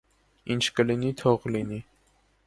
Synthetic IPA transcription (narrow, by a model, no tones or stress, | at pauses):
int͡ʃʰkəlinit̪ʰɔʁlini